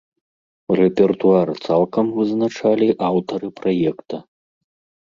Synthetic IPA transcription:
rɛpʲɛrt̪uart̪salˠkɐmvɨznat͡ʂalʲiʔawt̪ɐɾɨpɾajɛkt̪ɐ

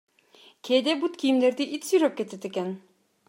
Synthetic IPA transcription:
kʲʰeːd̪ebut̪kʲʰijimleɾd̪iʔit̪syjɾøp̚kʲet̪ʰet̪ekʲen

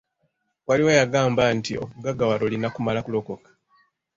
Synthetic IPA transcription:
waliwajaɡaːmbantio̞̰kuɡaɡawaɾo̞linakumalakulo̞ko̞kḁ

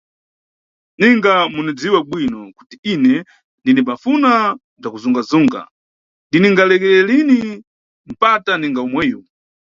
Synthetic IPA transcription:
niŋɡamunid͡ziwaɓwinɔku̥tiinɛ | ndinipafuna | b͡ʐakuzuŋɡazuŋɡa̰ | ndiniŋɡalɛkɛɛlini | m̩pataniŋɡaumwɛːjɔ

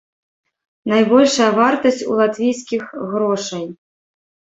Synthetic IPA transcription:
najbɔlʲʂɐjɐvart̪ɐsʲt͡sʲṵlˠat̪vʲijskʲixɣɾɔʂɐj

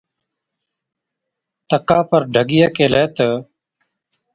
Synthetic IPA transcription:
t̪əkaːpəɾɖʱəɡɪjaːkeːleːt̪ə

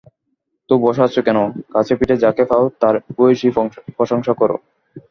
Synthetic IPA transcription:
t̪obɔʃoatːɕʰokɛnokat͡ɕʰepiʈed͡ʑakefʰaot̪aɾpoʃipɾoʃoŋʃakɔɾo̰

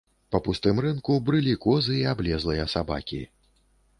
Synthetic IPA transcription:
pɐpust̪ɨmrɨnkubɾɨlʲikɔzɨiablʲɛzlˠɨjɐsaba̰kʲḭ

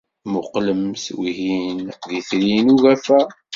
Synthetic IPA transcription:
mʊqləmswiɦinðiθlinuɣæfæ

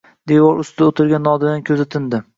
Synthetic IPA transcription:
d̪ewɒɾʊst̪ɪd̪aot̪ʰɪɾɡʲanːɒd̪ɪd̪ankʲʰɵzɪt̪ʰɪnd̪ɪ

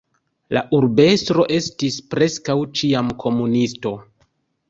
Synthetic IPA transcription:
la̰ʔuɾbe̞stɾo̞ʔe̞stispɾe̞skawt͡ʃiamkʰo̞munisto̞

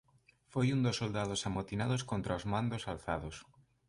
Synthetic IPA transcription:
fojund̪osːold̪að̞osamot̪inað̞oskont̪ɾaozmand̪osalθa̰ðos

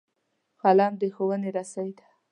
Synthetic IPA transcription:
xɑlɑnd̪əxowəneɾasawid̪ḁ

